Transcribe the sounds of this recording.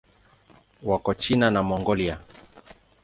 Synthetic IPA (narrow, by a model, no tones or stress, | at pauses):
wakɔt͡ʃinanamɔŋɡɔlia